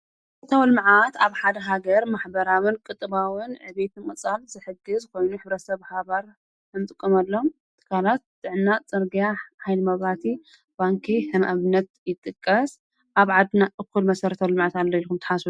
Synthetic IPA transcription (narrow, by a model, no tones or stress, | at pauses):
ɾɐt̪ʰawlmʕat̪aβħad̪ɐɦaɡɐɾmaħbɐɾawɨnkʼɨt̪ʼːɨβawɨnʕɨβet̪ʰɨnmʼɨt͡sʼalzɨħɨɡɨzkʰo̞jnuħɨβɾɐt̪sɐβhaβaɾ | ɨnt̪ʼɨkʼːɐmɐlːom | t̪ʰɨ̥kʰalat̪̚d̪̥ɨʕɨnːat͡sʼɨɾɡijaħajlɨmɐβat̪ʰi | b̥aŋkʰiħɨmaβɨnːɐt̪̚jɪt̪ʼːɨkʼːɐs | ʔaβʕad̪naʔɨkːulmɐsɐɾɐt̪ʰawlmaʕat̪alːɐilkumt̪ʰɨ̥ħasu